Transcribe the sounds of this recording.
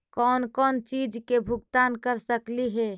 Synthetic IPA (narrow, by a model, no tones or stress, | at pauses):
kɔnkɔːnt͡ʃid͡ʒkebʱuɡt̪ankəɾsəkliɦɛ